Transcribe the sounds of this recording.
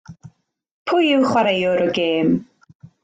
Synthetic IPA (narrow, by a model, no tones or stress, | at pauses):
pʰʊjɪwχwaɾejʊɾəɡeːm